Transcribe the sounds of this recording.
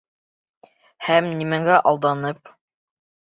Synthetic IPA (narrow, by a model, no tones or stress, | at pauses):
hæmnimæŋɡæʔɑlˠd̪ɑnɤp̚